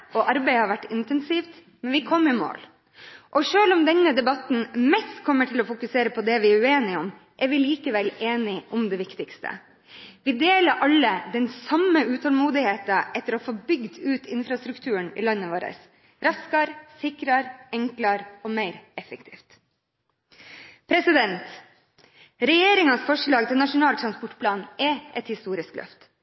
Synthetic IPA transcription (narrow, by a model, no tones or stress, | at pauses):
ɔʔɑɾbæɪhɑɾʋæʈːɪnt̪ɛnsiːft̪ | mɛnʋɪkʰɔmːɪmo̰ːl | ʔɔʂøːlʊmd̪ɛnːəd̪ɛbɑt̪n̩mɛst̪kʰɔmːəʈʰɪlɔfʊkʉseːɾəpʰɔd̪ɛʋɪæʉeːnɪʊm | ʔɛɾʋɪliːkəʋɛleːnɪʔʊmd̪ɛʋɪkt̪ɪkst̪ʰə̰ | ʋɪd̪eːləɾʔɑlːəd̪ɛnsɑmːəʉːt̪ʰɔlmuːd̪ɪheːt̪ɑʔɛt̪ːəɾoːfoːbʏɡd̪ʉːt̪ɪnfɾɑst̪ɾʉkt̪ʰʉːəɳɪ̰lɑnːəʋoːɾə̰s | ɾɑskɑɾsɪkɾɑɾɛŋklɑɾɔːmæɪɾɛfəkt̪ʰḭːft̪ | pʰɾɛsɪd̪ɛnt̪ | ɾɛjeːɾɪŋɑnsfɔʂɭɑːɡt̪ʰɪnɑʂʊnɑːlt̪ʰɾɑnspɔʈːpʰlɑːnʔɛʔɛt̪hɪst̪uːɾɪsklʔœ̰ft̪